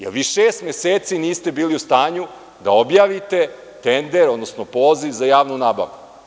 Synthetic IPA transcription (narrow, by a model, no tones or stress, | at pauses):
jḛʋiːʃeːst̪mʲeseːt̪siniːst̪e̞biːliust̪aːɲu | d̪ao̞bjaːʋit̪e̞ | t̪end̪eɾo̞d̪nosnopo̞ːziʋzajaːʋnunaːba̰ʋu